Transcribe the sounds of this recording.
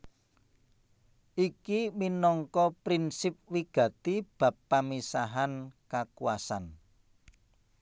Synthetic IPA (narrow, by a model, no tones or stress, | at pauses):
ʔikiminɔŋkɔpɾinsɪp̚wiɡ̥ä̤t̪ib̥a̤pːamisaɦankakuwasan